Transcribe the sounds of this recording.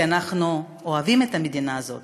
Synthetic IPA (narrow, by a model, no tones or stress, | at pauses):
anaχnu | oavime̞t̪amed̪inaːzo̞̰t̪